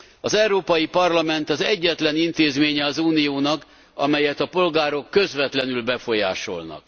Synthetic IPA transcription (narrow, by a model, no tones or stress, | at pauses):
ɒzɛuɾoːpɒjipɒrlɒmɛnt̪ɒzɛɟːɛt̪lɛnint̪eːzmeːɲɛɒzuːnijoːnɒk | ɒ̰mɛjɛt̪ɒpo̞lɡaːɾo̞kːø̞zʋɛt̪lɛnylbɛfo̞ja̰ːʃo̞̰lnɒ̰k